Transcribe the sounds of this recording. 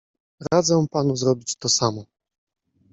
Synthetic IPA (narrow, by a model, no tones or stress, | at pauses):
ɾad̪zɛ̃panuzɾɔbʲit͡ɕt̪ɔsamɔ